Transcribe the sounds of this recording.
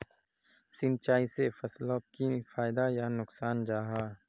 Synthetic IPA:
sɪnt͡ʃaːisefɐsloːkifaːɪd̪ajanʊksaːnd͡ʒaːɦaː

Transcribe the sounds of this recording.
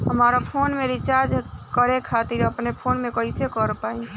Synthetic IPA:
ɦəmaɾapʰonmeɾit͡ʃaɾd͡ʒkəɾekʰat̪iɾəpnepʰonmekəɪsekəɾpai

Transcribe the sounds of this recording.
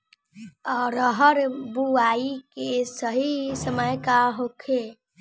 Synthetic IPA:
ɔɾəɦəɾbuaikesəɦisəməjkaɦokʰe

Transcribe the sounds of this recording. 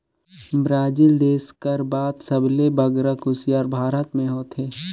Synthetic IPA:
bɾaːd͡ʒiːld̪eːskəɾbaːt̪səblebəɡɾəkʊsjaːɾbʱaːɾət̪mẽɦoːt̪ɦeː

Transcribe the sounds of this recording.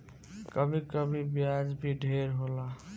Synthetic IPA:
kəbʱikəbʱibjad͡ʒbʱiɖʱeɾɦola

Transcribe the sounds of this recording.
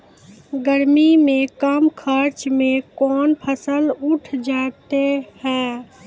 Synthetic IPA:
ɡəɾmimẽkəmkʰəɾt͡ʃmẽkɔːnpʰəsəluʈʰd͡ʒaːt̪ehɛː

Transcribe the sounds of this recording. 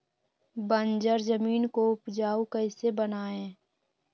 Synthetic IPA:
bənd͡ʒəɾzəmiːnkoʊpd͡ʒaːukəɪsebənaːẽː

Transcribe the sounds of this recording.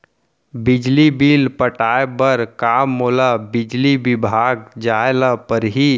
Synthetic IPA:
bɪd͡ʒlibiːlpəʈaːebəɾkaːmːoːlabɪd͡ʒlibɪbʱaːɡ̚d͡ʒaːelapəɾɦi

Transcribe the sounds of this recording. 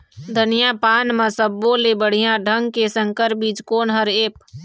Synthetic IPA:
d̪ʱənijapaːnmə̃səbːolebəɽ̤ijãɖʱəŋɡkesə̃ŋkəɾ̚biːt͡ʃkoːnɦəɾeːp̚

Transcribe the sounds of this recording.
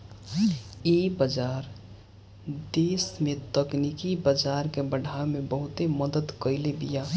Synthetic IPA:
ebəd͡ʒaɾ | d̪esmet̪əknikibəd͡ʒaɾkebəɖʱaemebəɦʊt̪eməd̪əd̪kəɪlebija

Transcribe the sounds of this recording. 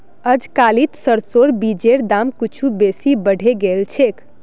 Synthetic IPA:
əd͡ʒkalit̪səɾsoɾbid͡ʒeɾd̪amkit͡ʃʰubesibəɽ̤ʱeɡelt͡ʃʰek

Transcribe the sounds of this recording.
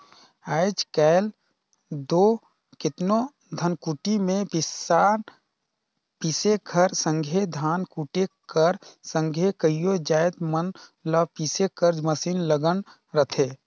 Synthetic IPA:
aːɪd͡ʒkɛːɪl | d̪oː | kɪt̪no | d̪ʱənkuʈimẽpɪsaːn | piːseɡʰʱəɾsə̃ŋɡʱed̪ʱaːnkuʈekəɾsə̃ŋɡʱekəijod͡ʒaːɪt̪mənləpiːsekəɾd͡ʒməsiːnləɡən | ɾət̪ʰeː

